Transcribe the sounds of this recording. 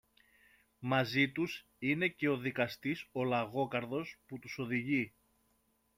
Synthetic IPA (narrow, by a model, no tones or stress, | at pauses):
mɐzit̪us | ine̞ce̞o̞ðikɐst̪iso̞lɐɣo̞kɐɾðo̞sput̪uso̞ðiʝi